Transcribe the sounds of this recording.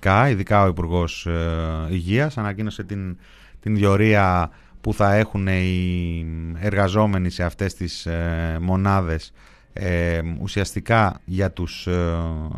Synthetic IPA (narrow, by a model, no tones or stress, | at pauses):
kɐiðikɐo̞ipuɾɣo̞s | iʝiɐsɐnɐcino̞se̞t̪in | t̪inðjo̞ɾiɐ | puθɐe̞xune̞i | eɾɣɐzo̞me̞nise̞ɐft̪e̞st̪ismo̞nɐðe̞s | eṵsiɐst̪ikɐʝɐt̪us